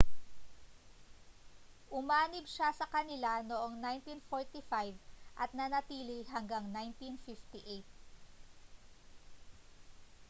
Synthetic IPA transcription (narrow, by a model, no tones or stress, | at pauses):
ʔʊmaːnɪbʃasɐkɐnɪlanoʔoŋnajnt̪infoɹt̪ifajvʔɐt̪̚nɐnɐt̪iːlɪɦɐŋɡaŋnajnt̪infift̪iʔejt̪̚